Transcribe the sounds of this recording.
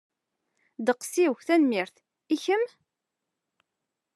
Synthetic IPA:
d̪əqsiwçθænmiɾθ | içəm

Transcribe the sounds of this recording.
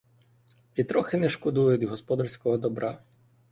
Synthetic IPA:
ʋʲit̪ɾɔxɪnɛʃkɔd̪ujʊd̪ʲɦɔspɔd̪ɐrsʲkɔɦɔd̪ɔbɾɑ

